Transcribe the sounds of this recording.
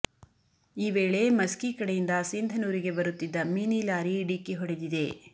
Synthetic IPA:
iːʋe̞ːɭe̞mɐskikɐɽejind̪ɐsind̪ʱɐnuːɾiɡe̞bɐɾut̪ːid̪ːɐmiːnilaːɾiɖikːiɦɔɽed̪id̪e̞

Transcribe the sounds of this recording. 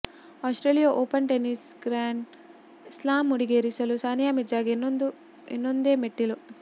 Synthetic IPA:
aːsʈɾeːlijaʔoːpɐnʈenisɡɾaːɳ | slaːmuɽiɡeːɾisɐlusaːnjaːmed͡ʒaːɡn | ḛnːond̪eːmeʈːilu

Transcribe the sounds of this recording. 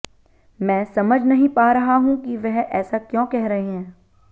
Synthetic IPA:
mɛ̃ːsɐməd͡ʒʱnɐɦĩpaːɾɐɦaɦũkiʋɛɦɛːsakjõːkɛɦɾɐɦeɦɛ̃ː

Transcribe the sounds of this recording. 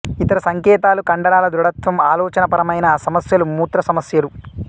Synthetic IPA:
it̪ɐɾɐsɐŋkɛːt̪aːlukɐɳɖɐɾaːlɐd̪ɾuɽɐt̪ʋɐmaːlɔːt͡ʃɐnɐpɐɾɐmɐjnɐsɐmɐsjɐlumuːt̪ɾɐsɐmɐsjɐlu

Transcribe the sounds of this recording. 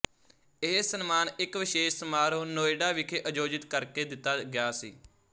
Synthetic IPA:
eːsənmaːnɪkʋɪʃeːʃsəmaːɾõːnoːeːɖaːʋɪkʰeʔəd͡ʒoːd͡ʒɪt̪kəɾkeːd̪ɪt̪ːaːɡɪjaːsḭː

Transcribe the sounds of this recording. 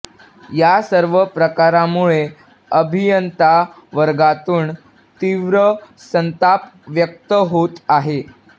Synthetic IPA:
jasəɾʋəpɾəkaɾamuɭe | əbʱijənt̪a | ʋəɾɡat̪uːn | t̪iʋɾə | sənt̪apʋjək̚t̪əɦot̪aɦe

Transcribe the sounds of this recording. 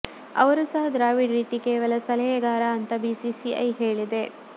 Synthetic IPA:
ɐ̰ʋɐɾusɐɦɐd̪ɾaːʋiɖɾiːt̪ikeːʋɐlɐsɐlɐjɐɡaːɾɐːnt̪ɐbisisiʔɐ̰jɦeːɭid̪e̞

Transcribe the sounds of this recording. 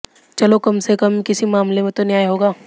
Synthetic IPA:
t͡ʃɐlokɐmsekɐmkɪsimaːmlemẽt̪onjaːjɦoːɡaː

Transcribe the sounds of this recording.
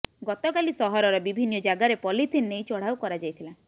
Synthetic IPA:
ɡɔt̪ɔkalisɔɦɔɾɔɾɔbibʱinːɔd͡ʒaɡaɾepɔlit̪ʰinːejt͡ʃɔɽ̤awkɔɾad͡ʒajt̪ʰila

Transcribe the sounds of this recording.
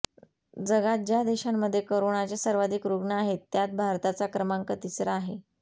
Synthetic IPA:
d͡zəɡat̪̚d͡ʑjad̪eɕamːəd̪ʱːjekəɾoɳat͡ɕesəɾʋad̪ʱikɾuɡɳəaɦet̪ːjat̪̚bʱaɾt̪at͡sakɾəmaŋkət̪isɾaːɦe

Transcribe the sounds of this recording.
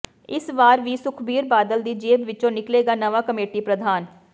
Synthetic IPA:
ɪsʋaːɾʋiːsʊkʰbiːɾbaːd̪əld̪iːd͡ʒeːbʋɪt͡ʃõːnɪkleːɡaːnəʋaːkəmeːʈiːpɾəd̪ʱaːn

